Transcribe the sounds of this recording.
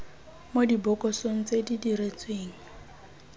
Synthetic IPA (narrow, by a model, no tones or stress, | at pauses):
modibɔkʼɔsoŋ̩t͡sedidiret͡sweːŋ̩